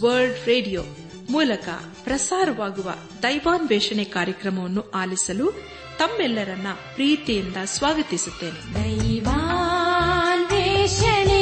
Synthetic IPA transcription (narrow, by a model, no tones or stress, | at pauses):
ʋɐɾlɖɾeːɖijoː | muːlɐkɐ̰ | pɾɐsaːɾɐʋaːɡuʋɐ̰ | d̪ɐjʋaːnʋɛːʂɐɳɛkaːɾjɐkɾɐmɐʋɐnːuaːlisɐlu | t̪ɐmːɛlːɐɾɐnːɐpɾiːt̪ijind̪ɐsʋaːɡɐt̪isut̪ːe̞ːnid̪ɐjʋa | nʋɛʃɐni